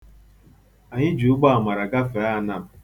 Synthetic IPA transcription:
a˨ɲɪ˦d͡ʒu˨ʊ˦ɡ͡ba˦a˨ma˨ɾa˨ɡa˦fe˨˦a˦na˦˨m̩˨

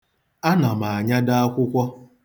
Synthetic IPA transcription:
a˦na˨ma˨a˨ɲa˦da˦a˦kʷʊ˦kʷɔ˦

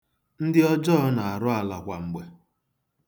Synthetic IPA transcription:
n̩˦dɪ˦ɔ˦d͡ʒɔ˦ɔ˦na˨a˨ɾʊ˦a˨la˨kʷa˨ŋ͡m̩˨ɡ͡be˨

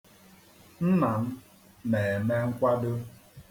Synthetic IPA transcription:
n̩˦na˨m̩˦ | meː˨me˦ŋ̩˦kʷa˦dʊ˦

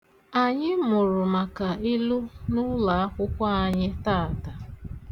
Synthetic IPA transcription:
a˨ɲɪ˦mʊ˨ɾʊ˨ma˨ka˨i˦lu˦nʊ˦la˨a˦kʷʊ˦kʷa˦a˨ɲɪ˦taː˦˨ta˨

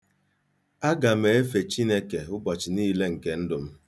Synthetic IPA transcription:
a˦ɡa˨m̩e˨e˦fe˨t͡ʃi˦ne˦ke˨ʊ˦bɔ˨t͡ʃɪ˨niː˦le˦ŋ̩˨ke˨n̩˦dʊ˨m̩˦

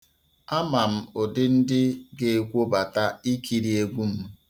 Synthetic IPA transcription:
a˦ma˨m̩˦o˨dɪ˦n̩˦dɪ˦ɡe˨e˨kʷo˦ba˨ta˦i˦kʰi˨ɾi˨e˦ɡʷu˦m̩˦

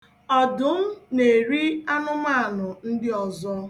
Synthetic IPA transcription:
ɔ˨dʊ˨˦m̩˦ne˨ɾi˦a˦nʊ˦ma˦a˨nʊ˨n̩˦dɪ˦ɔ˨zɔ˦

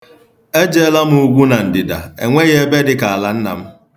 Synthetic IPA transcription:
e˦d͡ʒe˦la˦m̩˦u˦ɡʷu˦na˨n̩˨dɪ˨da̰˨ḛ˨ŋʷe˦ɣe˦be˦dɪ˦ka˨a˨la˦n̩˦na̰˨m̩˦

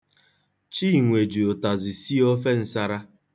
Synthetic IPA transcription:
t͡ʃi˦˨ŋʷe˨d͡ʒu˨o˨ta˨zɪ˨si˦o˦fe˦n̩˦sa˦ɾa˦

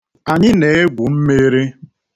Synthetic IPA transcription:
a˨ɲɪ˦ne˨˦e˦ɡʷʊ˨m̩˦me˦ɾe˦

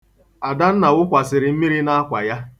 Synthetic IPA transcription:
a˨da˦n̩˦na˨wʊ˦kʷa˨sɪ˨ɾɪ˨m̩˦mi˦ɾi˦na˦a˦kʷa˨ja˦

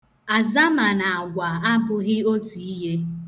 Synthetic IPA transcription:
a˨za˦ma˨na˨a˨ɡʷa˨a˦bʊ˨ɣɪ˦o˦tu˨i˦ɦe˦

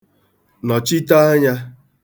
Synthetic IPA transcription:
nɔ˨t͡ʃi˦ta˦a˦ɲa˦

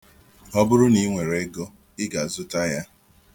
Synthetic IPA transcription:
ɔ˦bʊ˦ɾʊ˦ni˦ŋʷe˨ɾe˦ɡo˦ | ɪ˦ɡa˨zʊ˦ta˦ja˦

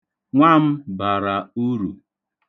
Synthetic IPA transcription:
ŋʷa˦m̩˦ba˨ɾa˨u˦ɾṵ˨

